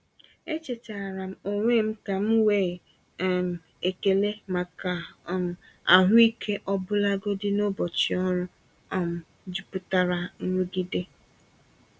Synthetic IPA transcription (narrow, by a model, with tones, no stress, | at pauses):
e˦t͡ʃe˨ta˨a˨ɾa˨m̩˦o˨ŋʷe˦m̩˦ka˨m̩˦weː˦˨ | m̩˨ | e˨ke˨le˦ma˨ka˨m̩˨ | a̰˨ɦʷʊ˦i˦kʰe˦ʔɔ˦bʊ˦la˦ɡo˦dɪ˦no˦bɔ˨t͡ʃi˨ɔ˦ɾʊ˦ | ɔ˦˨m̩˨ | d͡ʒi˨pʊ˦ta˦ɾa˦n̩˦ɾu˦ɡi˦de˦